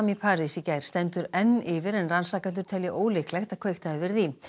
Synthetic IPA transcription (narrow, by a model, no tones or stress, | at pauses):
mipʰaːɾisicajɾ̥st̪ɛnt̪ʏɾɛnːɪːvɪɾɛnransaːkanʏɾ̥t̪ʰɛljɪʔoːwlɪklɛxt̪aðkʰv̥ejxt̪aðɪvɪɾði